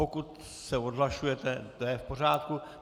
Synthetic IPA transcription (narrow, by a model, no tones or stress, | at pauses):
okut̪ | sɛod̪ɦlaʃujɛt̪ɛt̪ojɛfporaːt̪ku